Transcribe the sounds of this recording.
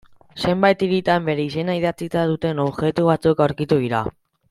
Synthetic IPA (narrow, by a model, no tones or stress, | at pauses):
se̞mbajt̪iɾit̪ambe̞ɾe̞is̬e̞naiðat͡sit̪aðut̪e̞no̞βɣe̞t̪uβ̞at͡suekawɾkit̪uðiɾa̰